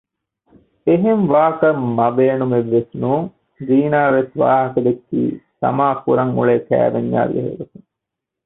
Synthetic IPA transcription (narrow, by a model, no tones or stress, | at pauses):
eɦemʋaːkɐmmɐbeːnumeʋːesnuːŋ | ziːnaːʋesʋa̰ːɦɐkɐd̪ekːḭːsɐ̰maːkuɾɐŋṵɭeːkæ̰ːʋeɲːa̰ːɾɡḛɦḛɡɐt̪uŋ